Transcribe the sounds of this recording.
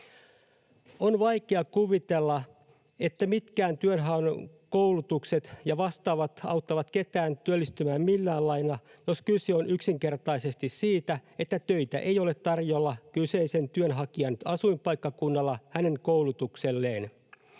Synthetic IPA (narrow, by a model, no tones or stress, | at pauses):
o̞nʋɑjkeɑkuʋit̪elːɑ | e̞t̪ːæmit̪kæːnt̪yønɦɑn | ko̞wlut̪ukse̞t̪jɑʋɑst̪ɑːʋɑt̪ɑ̰wt̪ːɑʋɑt̪ke̞t̪æːnt̪yølːist̪ymæːmmilːæːlːɑjnɑjo̞skyseo̞nʔyksiŋke̞rt̪ɑjse̞st̪issiːt̪æe̞t̪ːæt̪ø̞it̪æ̰ʔe̞jole̞t̪ːɑrjo̞lːɑkyse̞ise̞nt̪yønɦɑkiɑnɑsujmpɑjkːɑkunːɑlːɑhæne̞ŋkoulut̪ukse̞lːe̞ːn